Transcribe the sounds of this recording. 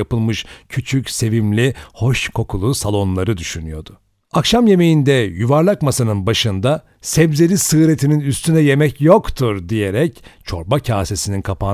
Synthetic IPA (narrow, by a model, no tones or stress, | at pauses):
apɯlˠmɯʃcʰyt͡ʃʰycse̞vimlʲiho̞ʃkʰo̞kʰulˠusalˠo̞nlˠaɾɯd̪yʃynyjo̞d̪̥ʊ | akʃamje̞me̞jind̪ɛjuvaɾlˠakmasanɯnbaʃɯnd̪a | sɛbzeɾisɯːɾe̞t̪ʰininyst̪ʰynɛje̞mɛcjo̞kt̪ʰuɾd̪ije̞ɾɛct͡ʃʰo̞ɾbacʰaːse̞sininkʰapʰa